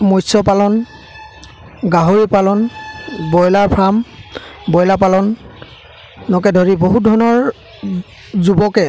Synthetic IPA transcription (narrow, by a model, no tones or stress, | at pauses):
mojsɔpalɔn | ɡaɦoɹipalɔnbɔjlaɹpʰɹam | bɔjlapalɔn | ɔkɛdʱɔɹiboɦut̚dʱɔnɔɹ | zubɔkɛ